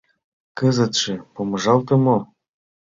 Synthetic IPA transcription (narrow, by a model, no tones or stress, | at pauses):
kɤzə̆t̪ʃĕpomɤʒɑlt̪ɤ̆mo